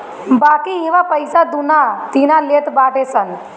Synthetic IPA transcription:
baːkiiʋapəjsad̪unat̪inaleːʈ̪baːʈesən

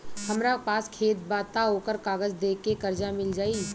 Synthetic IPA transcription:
hɐmɾapaːskʰeːt̪̚baːt̪aɦoːkəɾkaːɡəd͡ʒd̪eːkekɐɾd͡ʒamɪld͡ʒaːiː

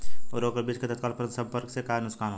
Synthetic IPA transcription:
ɔɾoːkəɾbiːt͡ʃket̪ət̪̚kaːlpəɾə̃nt̪sə̃mpəɾksekaːnʊskaːnɦo

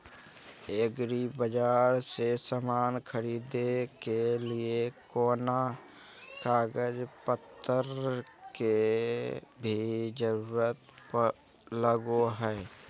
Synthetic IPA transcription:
eɡɾibəd͡ʒaːɾsesamaːnkʰəɾiːd̪ekeliekoːna | kaːɡəd͡ʒpət̪ʰːəɾke | bʱid͡ʒəɾuːɾət̪pə | ləɡoɦɛː

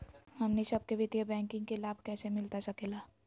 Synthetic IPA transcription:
ɦɐmnisɐb̚kebʱɪt̪ijabɛ̃ːŋkɪ̃ŋɡkelaːbʱkɛːsemɪlt̪asɐkeːlaː

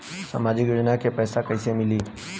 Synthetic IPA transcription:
sa̰ːmaːd͡ʒɪkjoːd͡ʒnakepɛːsakəsemɪliː

